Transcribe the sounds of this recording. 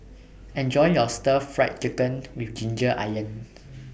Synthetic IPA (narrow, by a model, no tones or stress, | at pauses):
ɛ̃nd͡ʒɔ̃jjɔstəfɹat̚t͡ʃikə̃nwifd͡ʒĩnd͡ʒəʔa̰jə̃n